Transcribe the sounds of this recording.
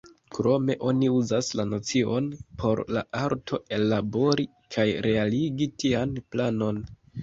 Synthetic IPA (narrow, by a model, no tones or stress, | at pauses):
kɾo̞me̞ʔo̞niuzaslano̞t͡sio̞npʰo̞ɾla̰ʔaɾtʰo̞e̞labo̞ɾi | kʰajɾe̞aliɡitianplano̞n